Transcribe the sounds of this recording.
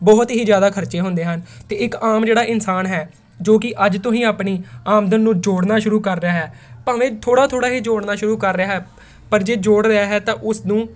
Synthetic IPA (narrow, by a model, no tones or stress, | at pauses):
bɔːt̪ɦiːzjaːd̪aːkʰəɾt͡ʃeːɦʊ̃nd̪eːɦənt̪eːɪkaːmd͡ʒeːɽaːʔɪnsaːnɦɛː | d͡ʒoːkɪʔəd͡ʒt̪ʊɦĩːaːpniːaːmd̪ənːũːd͡ʒoːɽnaːʃʊɾuːkəɾːɪjaːɦɛːpaːʋẽːt̪ʰoːɽaːt̪ʰoːɽaːɦiːd͡ʒoːɽnaːʃʊɾuːkəɾːɪaːɦɛː | pəɾd͡ʒeːd͡ʒoːɽɾeaːɦɛːt̪ãːʔʊsnũː